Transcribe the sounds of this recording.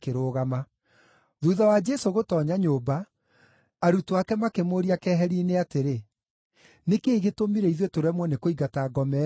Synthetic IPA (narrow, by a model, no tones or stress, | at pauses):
keɾoːɣama | ðuðawad͡ʒɛsoɣotɔːɲaɲoːbaː | ɾutoakɛmakemoɾiakɛːɦɛɾiːneateɾe | nekeːɣetomiɾɛiðwetoɾɛmwɔnekoiɡataɡɔmɛ